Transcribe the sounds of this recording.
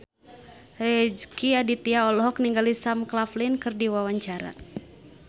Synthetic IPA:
rɛd͡ʒkiadit̪iaɔlɔɦɔk̚niŋɡalisamklaflinkɨrdiwawaɲt͡ʃaɾa̰

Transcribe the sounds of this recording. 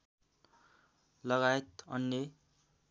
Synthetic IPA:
lʌɣaet̪ʌ̰nːe

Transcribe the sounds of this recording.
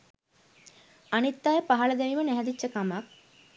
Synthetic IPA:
anit̪ːajəpaɦɐləd̪eʋimənɛɦɛd̪it͡ʃːəkamak̚

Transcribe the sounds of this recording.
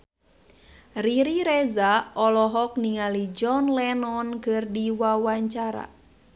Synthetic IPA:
riɾiɾɛzaɔlɔɦɔk̚niŋalid͡ʒɔnlɛnɔnkɨrdiwawaɲt͡ʃaɾa̰

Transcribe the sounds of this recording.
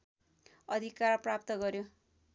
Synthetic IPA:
ʌd̪ʱikarprapt̪ʌɡʌɾjo

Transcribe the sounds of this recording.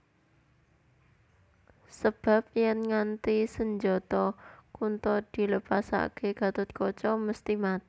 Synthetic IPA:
səb̥a̤p̚jɛnŋant̪isəɲd͡ʒɔt̪ɔkunt̪ɔd̪̥i̤ləpasa̰keɡ̥a̤t̪ʊt̪̚kɔt͡ʃɔməst̪imat̪

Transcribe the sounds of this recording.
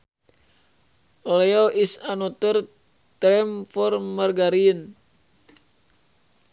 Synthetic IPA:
olɛoʔisanot̪ər | t̪ɾɛmfɔrmarɡaɾiən

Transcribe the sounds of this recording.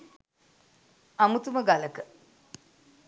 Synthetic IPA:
amut̪uməɡaləkə

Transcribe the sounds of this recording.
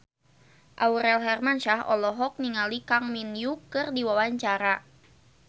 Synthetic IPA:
ʔauɾɛlɦɛrmanʃaɦɔ̰lɔɦɔk̚niŋalikaŋminjukɨrdiwawaɲt͡ʃaɾa

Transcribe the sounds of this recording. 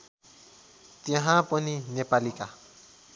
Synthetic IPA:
t̪jãɦãpʊninɛpalikʼa

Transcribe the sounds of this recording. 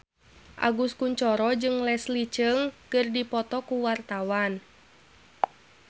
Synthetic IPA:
ʔa̰ɡuskuɲt͡ʃɔɾɔd͡ʒɨŋlɛslit͡ʃəŋkɨrdipɔt̪ɔkuwart̪awan

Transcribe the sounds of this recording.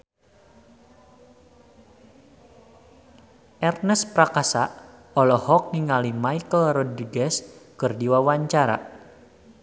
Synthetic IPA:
ʔɛrnəspɾakasa | ɔlɔhɔk̚niŋalimaikəlrɔdɾiɡɛskɨrdiwawaɲt͡ʃaɾa̰

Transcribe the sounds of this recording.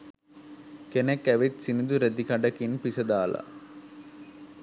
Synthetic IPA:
kenekːæʋet̪sinid̪uɾɐd̪ikɐɖɐkinpisɐd̪aːlɐ̰

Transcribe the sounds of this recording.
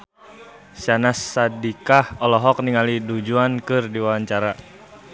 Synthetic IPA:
sanasːadikahɔlɔɦɔk̚niŋalidud͡ʒuankɨrdiwaaɲt͡ʃaɾa

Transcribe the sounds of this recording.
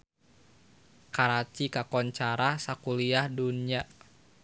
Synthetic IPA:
kaɾat͡ʃikakɔɲt͡ʃaɾasakuliahdunia

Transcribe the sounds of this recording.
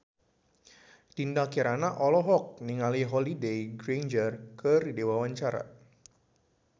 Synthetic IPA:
t̪indalkiɾanaʔɔlɔɦɔk̚niŋaliɦɔlidejɡɾend͡ʒərkəridewawaɲt͡ʃaɾa̰

